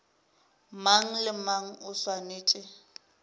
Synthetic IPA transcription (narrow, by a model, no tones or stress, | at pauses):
maŋ̩lɪmaŋ̩ʊswaneːt͡ʃʼɪ